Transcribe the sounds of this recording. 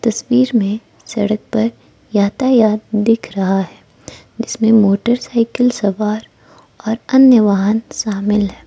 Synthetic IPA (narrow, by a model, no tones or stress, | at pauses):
t̪ɐswiːɾmẽ | sɐɽək̚pɐɾ | jaːt̪ajaːd̪̚ːɪkʰɾɐɦaɦɛː | d͡ʒɪsmẽmoːʈəɾsaːɪkəlsɐʋaːɾ | ɔːɾɐnjəʋaːɦənʃaːmɪlɦɛː